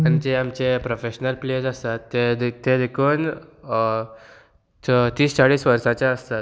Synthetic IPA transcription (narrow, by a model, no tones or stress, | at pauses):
anid͡ʑeamt͡ɕepɾofeɕnəlpled͡zast̪at̪ːet̪ed̪ekʰuːn | t̪iːst͡saɽiːsʋəɾsat͡ɕaəst̪at̪